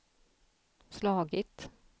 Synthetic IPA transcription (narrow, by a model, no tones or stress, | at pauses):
slɑːɡɪt̪